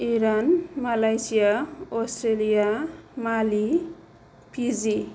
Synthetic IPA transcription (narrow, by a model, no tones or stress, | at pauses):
iɾanmalajsijaostrelijamali | pʰid͡zi